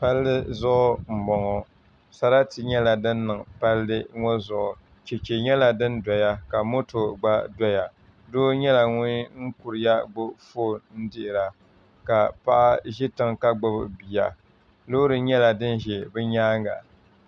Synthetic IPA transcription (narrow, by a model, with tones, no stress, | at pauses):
pa˦lːɨ˦zʊ˦ʔʊ˦m̩˨bɔ˨ŋɔ˨ | sa˦ɾa˦ti˨ɲɛ˦la˨dɨ˦nː˦ɨ˨ŋpa˦lːɨ˦ŋɔ˦zʊ˨ʔʊ˨ | t͡ʃɛ˨t͡ʃe˨ɲɛ˦la˨dɨ˦nda˨ja˦ka˨mo˦to˨ɡ͡ba˦dɔ˦ja˨ | doː˦ɲɛ˦la˨ŋʊ˦n˦ŋ̩˦ku˨ɾɪ˨ja˦ɡ͡bʊ˦foː˦˨n̩˦dɪ˦ʔɪ˨ɾa˨ | ka˨pa˦ʔa˦ʒɪ˦tɨ˦ŋka˦ɡ͡bʊ˦bɨ̰˨bi˨ja̰˨ | loː˦ɾɨ˨ɲɛ˦la˨dɨ˦n˦ʒɛ˨bɨ˦ɲaː˦ŋɡa̰˨